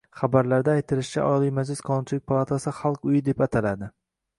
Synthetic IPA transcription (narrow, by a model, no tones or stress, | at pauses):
χabaɾlaɾd̪aːjt̪ʰɪlɪʃt͡ʃʰa̰ʔɒlˠijmad͡ʒlɪsqʰɒnʊnt͡ʃʰɪlɪk̚ʲpʰalˠat̪ʰasɪχalˠqʊjɪd̪e̞pat̪ʰalad̪ɪ